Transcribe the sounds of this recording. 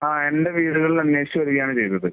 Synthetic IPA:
aːe̞ndeʋiːɽuɣɐɭiɐnːeːɕɐmʋɐɾuɣɐjaːɳɨt͡ɕejt̪ːɐðɨ

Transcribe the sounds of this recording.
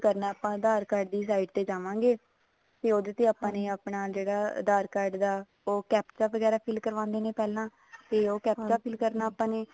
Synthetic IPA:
kəɾnaːaːpãːd̪aːɾkaːɾɖd̪iːs̬aːiːɖt̪eːd͡ʒaːʋãːŋɡeː | t̪eːoːd̪et̪eːaːpãːneːaːpɳaːd͡ʒeːɽaːd̪aːɾkaːɾɖd̪aː | oːkɛːpt̪aːʋəɡɛːɾaːpʰɪlkəɾʋãːnd̪eːneːpɛːlãː | t̪eːoːkɛːpdaːpʰɪlkəɾnaːapãːnẽː

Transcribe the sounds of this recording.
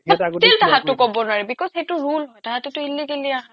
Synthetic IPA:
taɡɔtiltaɦãtʊkɔbɔnʊaɹɛbikɔsxejtʊɹulɦɔjtaɦatetʊhilːiɡeliaɦã

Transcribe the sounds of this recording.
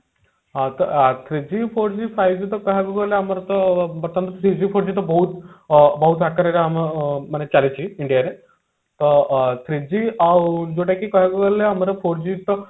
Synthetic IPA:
ɦãt̪ət̪ʰɾid͡ʑifoɾd͡ʑiːfajʋd͡ʑiːt̪əkaɦabəɡəleamaɾat̪əbəɾt̪ʰant̪ət̪ʰɾid͡ʑiːfoɾd͡ʑiːt̪əbəɦut̪bəɦut̪ɦakəɾaɾaammənat͡ɕalet͡ɕiːiɳɖijaɾe | t̪ət̪ʰɾid͡ʑiːad͡ʑoʈakiːkaɦjbəɡəleam̤aɾafoɾd͡ʑiːt̪ə

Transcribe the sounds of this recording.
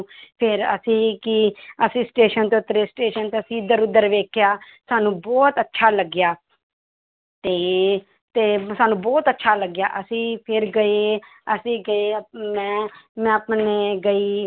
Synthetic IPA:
pʰɪɾə̰sĩːkɪəsĩːsʈeːʃənt̪eːʊt̪ːəɾeːsʈeːʃənt̪eːəsĩːɪd̪əɾʊd̪ːəɾʋeːkʰjaːsaːnũːbɔːt̪ətːʃʰaːləɡːjaː | t̪eː | t̪eːsaːnũːbɔːt̪ətːʃʰaːləɡjaːʔəsĩːpʰɪɾɡəeːəsĩːɡəeːmɛ̃ːmɛ̃ːəpneːɡəiː

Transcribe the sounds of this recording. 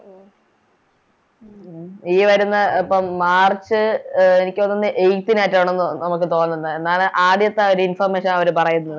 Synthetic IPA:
iːʋɐɾunːɐɐpːɐmmaːrt͡ɕːɨenikʲːuonːɐnːɨʔejk̚t̪inaːjtːaːɳenːunɐmuk̬ːɨt̪o̞ːnːunːɨend̪aːlʔaːɖjɐt̪ːeo̞ɾuinfɐrmeːɕɐnɐʋɐɾupɐrɐjunːɐðɨ

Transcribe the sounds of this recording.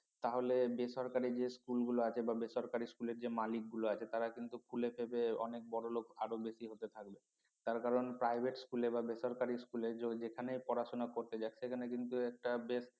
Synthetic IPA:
t̪aɦolebeʃɔɾkaɾid͡ʑeskulɡuloat͡ɕʰebabeʃɔɾkaɾiskuleɾd͡ʑemalik̚ɡuloat͡ɕʰet̪aɾakint̪ukʰulepʰebeɔ̰nek̚bɔɽolokʰaɾobeʃiɦot̪et̪ʰak̚be | t̪aɾkaɾonpɾajbʱeʈskulebabeʃɔɾkaɾiskuleod͡ʑekʰanejpɔɾaʃonakoɾt̪ed͡ʑaeʃekʰanekint̪uɛk̚ʈabes

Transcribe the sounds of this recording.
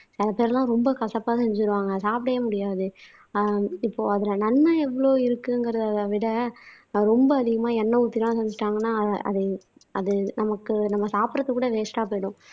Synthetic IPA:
sɪlɐpeːɾlãːɾɔmbɐkɐsɐpːaːsɛɲd͡ʒɯɾɯʋaːŋɡɐsaːpɽɐjɐmʊɽɪjaːðɯ | ɪpːoːɐðɪlɐnɐnːɐɛʋːɐɭoːɪɾɯkːɯŋɡɪɾɐðɯɐðaʋɪɽɐ | ɾɔmbɐːðɪɣɐmaːɛnːɐʊt̪ːɪɾɐãsɛɲd͡ʒɪʈːaːŋɡɐnːaːʔɐ̰ðɯ | ɐðɯnɐmɐkːɯnɐmːɐsaːpɾɐt̪ːɯkːuːɽɐʋeːsʈaːpoːjɽʊ̃

